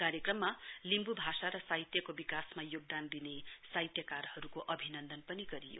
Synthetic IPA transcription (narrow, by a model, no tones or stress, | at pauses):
kaɾjekrʌmːalimbubʱasaɾʌsajt̪jʌkobikasmajoɡ̚d̪and̪inesajt̪jʌkarhʌɾukoʔʌbʱinʌnd̪ʌnpʌniɡʌɾijo̰